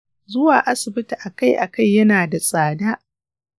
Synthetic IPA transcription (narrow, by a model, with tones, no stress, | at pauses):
zʊ˦waː˨ʔa˦sɪ˨bɪ˦ta˨ʔa˨ka˦˨jʔa˨ka˦jːɐ˦naː˨da˨sʼaː˨daː˦ʔ